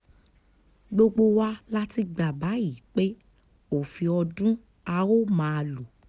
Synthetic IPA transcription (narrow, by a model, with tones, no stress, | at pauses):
ɡ͡bo˧ɡ͡bo˧wa˦la˦ti˧ɡ͡ba˨ba˨˦ji˨˦k͡pe˦ | o˨fi˧ɔ˧dũ˦ | a˧o˦mãː˨˧lu˨